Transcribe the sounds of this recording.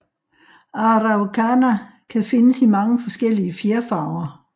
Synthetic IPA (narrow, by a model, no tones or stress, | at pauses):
ɑ̈ʁɑʊkʰænækʰæfe̝nəsimɑ̈ŋəfɒ̽sɡ̥el̰iəfeɐfɑ̈ʊɐ